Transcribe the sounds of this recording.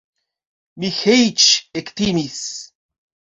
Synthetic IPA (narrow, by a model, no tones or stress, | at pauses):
mixejt͡ʃekt̪imis